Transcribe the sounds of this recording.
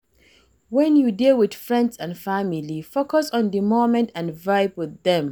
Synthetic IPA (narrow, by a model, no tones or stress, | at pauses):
wɛ̃njudilˠwɪd̥fɹɛ̃ndsãnfamilifokɔsɔ̃ndəmomɛ̃ntʰãnvaɪbwɪðɛ̃m